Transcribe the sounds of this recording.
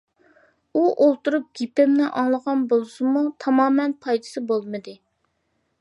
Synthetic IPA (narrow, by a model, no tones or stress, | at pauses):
uʔolˠt̪uɾup̚ɡʲipɪmnɪʔɑŋlˠəʁɑnbolˠɨsɨmut̪ʰɑmɑːmɛnpʰɑjd̪ɨ̥sɨbolˠmɨd̪ɨ